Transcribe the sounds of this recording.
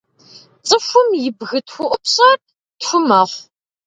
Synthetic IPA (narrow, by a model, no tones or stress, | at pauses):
t͡sʼɨxʷʊmjɪbɣɨtxʷʊʔʷʼʊpɕɐr | tfʷʊmɐχʷ